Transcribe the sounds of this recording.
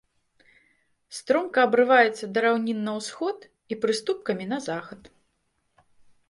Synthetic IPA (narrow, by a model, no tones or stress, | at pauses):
st̪ɾɔmkɐːbɾɨvajɛt̪sːɐd̪ɐɾawnʲinːɐwsxɔt̪ | ipɾɨst̪up̚kɐmʲinɐzaxɐt̪